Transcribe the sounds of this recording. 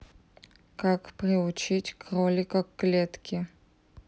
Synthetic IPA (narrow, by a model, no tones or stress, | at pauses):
kakprʲɪʊt͡ʃʰitʲkrolʲikakːlʲet̪kʲɪ